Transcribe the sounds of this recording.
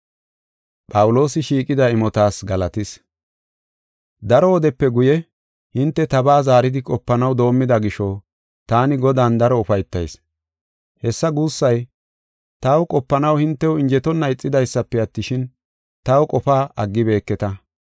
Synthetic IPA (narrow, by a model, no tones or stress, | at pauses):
pʼɐwʊlo̞ːsɪʃiːkʼɪd̪ɐɪmɔt̪aːsɡɐlɐt̪ɪs | d̪ɐɾɔːd̪ɛpːɛɡʊjɛ | hɪnt̪ːɛt̪ɐbaːzaːɾɪd̪ɪkʼɔpːɐnɐwd̪o̞ːmːɪd̪ɐɡɪʃɔ | t̪aːnɪɡɔd̪aːnd̪ɐɾɔʊfɐjt̪ːɐ̰js | hɛsːɐɡuːsːɐj | t̪ɐwkʼɔpːɐnɐwhɪnt̪ːɛwʊɪnd͡ʒɛt̪ɔnːɐɪt͡sʼːɪd̪ɐjsːɐpːɛɐt̪ːɪʃɪn | t̪ɐwkʼɔfaːʔɐɡːɪbe̞ːkːɛt̪ɐ